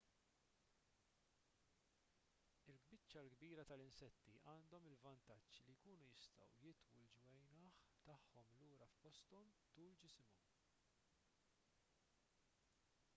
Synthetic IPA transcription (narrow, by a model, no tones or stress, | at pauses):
ɪlɡbɪt͡ʃːɐlɡbiːɾɐt̪ɐlɪnsɛt̪ːiʔɐːnd̪ɔmɪlvɐnt̪ɐt͡ʃːlijkuːnujɪst̪ɐ̰wjɪt̪wuld͡ʒwɛjnɐːħt̪ɐħːɔmluːɾɐfpɔst̪ɔmt̪uːld͡ʒɪsɪmu